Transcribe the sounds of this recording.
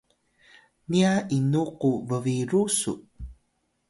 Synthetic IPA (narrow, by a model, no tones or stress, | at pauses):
niaʔinuquvəviɾusṵʔ